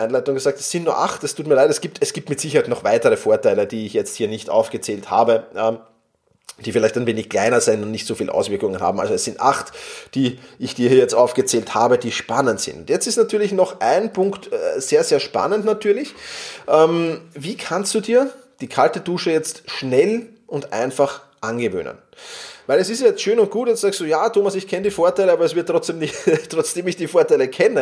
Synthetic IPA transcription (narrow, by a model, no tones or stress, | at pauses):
ʔaɪnlæɪtʊŋɡəzaːk̚tɛsːɪntnuːɐʔaχtd̥astʰuːtmiɐlaɪtɛsɡ̥iːp̚tɛsɡ̥iːp̚tmɪtz̥ɪçəhaɪtnɔχvaɪtəʁəfoːɐtaɪləd̥iːɪçjɛt͡sthiːɐnɪçtʔa̰ʊfɡ̥ət͡seːltha̰ːbəʔɛm | d̥iːfɪlæɪçtaɪnveːnɪçkʰl̥aɪnɐzɪntʊntnɪçtsofiːlʔa̰ʊsv̥ɪɐkʊŋənha̰ːbm̩ʔa̰lzoɛszɪntʔa̰χtd̥iːɪçd̥iːɐhiɐjɛt͡stʔaʊfɡ̥ət͡seːlthaːbəd̥iːʃpanəntz̥ɪ̰ntʊntjɛt͡stɪstnatʰyːɐlɪçnɔχʔa̰ɪnpʰʊŋktz̥eːɐzeːɐʃpa̰nəntnatʰyːɐlɪçʔɛmviːkʰanstd̥uːdiːɐ | d̥iːkʰaltəduːʃəjɛt͡stʃnɛl | ʔʊntʔa̰ɪnfaχ | ʔanɡəvø̰ːnə̰n | væɪlɛsɪstjajɛt͡stʃøːnʊnt̚ɡ̥uːtjɛstszaːkstd̥uːjaːtʰoːmasɪçkʰɛnədiːfoːɐtaɪləaːbɐɛs̬v̥ɪɐtːʁ̥ɔt͡sd̥eːmnɪçttʁ̥ɔt͡sd̥eːmɪçd̥iːfoːɐtaɪləkʰɛnə